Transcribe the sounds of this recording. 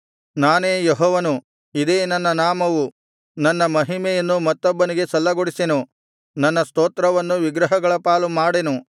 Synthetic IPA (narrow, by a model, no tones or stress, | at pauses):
naːne̞ːjɔɦɔːʋɐnu | id̪eːnɐnːɐnaːmɐʋu | nɐnːɐmɐɦimɛjɐnːumɐt̪ːɔbːɐniɡe̞sɐlːɐɡoɽisenu | nɐnːɐst̪oːt̪ɾɐʋɐnːuʋiɡɾɐɦɐɡɐɭɐpaːlumaːɽenu